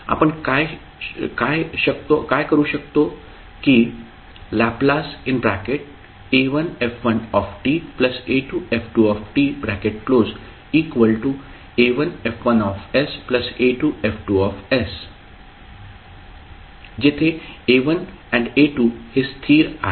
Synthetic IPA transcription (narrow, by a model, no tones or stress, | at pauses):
a̰pəɳkaj | kajʃək̚t̪okajkəɾuʃək̚t̪o | ki | laplasɪnbɾakeʈ̚ | eʋənefʋənɔfʈipləseʈuefʈuɔfʈibɾækeʈ̚kloːz | iːkʋəlʈu | eʋənefʋənɔfespləseʈuefʰʈuɔfɛs | d͡ʒet̪ʰeeʋən | ɛ̃ɳɖeʈuhest̪ʰiːɾa̰